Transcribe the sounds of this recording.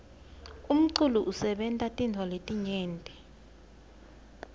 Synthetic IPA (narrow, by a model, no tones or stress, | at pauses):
um̩ǀuluʔusɛɓɛntʼatʼintʰwɔletʼiɲɛːntʼɛ